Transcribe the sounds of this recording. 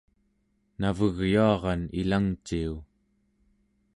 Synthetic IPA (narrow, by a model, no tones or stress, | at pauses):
navəɣjuɑʁɑnilaŋt͡ʃiu